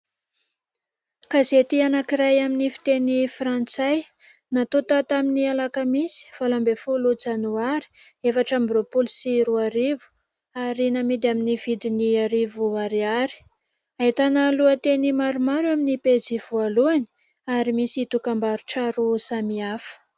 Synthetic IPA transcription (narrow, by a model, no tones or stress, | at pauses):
kazet̪ianakiɾajaminifi̥t̪enifɾant͡saj | nat̪ot̪at̪aminialakəmisi̥v̥alambefulut͡sanuaɾi̥efaʈ͡ʂambɾopulsiɾuaɾivu̥ | aɾinamid̪aminivid̪iniaɾivuaɾiaɾi̥ | ait̪analuət̪enimaɾumaɾuaminiped͡ziv̥ualuani̥ | aɾimisit̪ukambaɾuʈ͡ʂaɾusamiafə̥